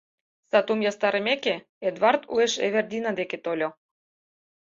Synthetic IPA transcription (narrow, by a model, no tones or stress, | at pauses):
sɑt̪umjɑst̪ɑɾemeke | ed̪vɑrt̪ṵeʃḛβerd̪ʲinɑd̪eket̪olʲo